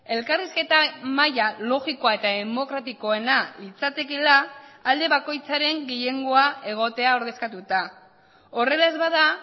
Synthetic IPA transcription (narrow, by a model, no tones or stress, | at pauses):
e̞lkariske̞t̪amajalo̞ɣiko̞ae̞t̪aðe̞mo̞kɾat̪iko̞e̞nait͡sat̪e̞kelaːld̪e̞βako̞jt͡saɾe̞ŋɡiʎe̞ŋɡo̞ae̞ɣ̞o̞t̪e̞ao̞ɾðe̞skat̪ut̪a | o̞re̞laezβaða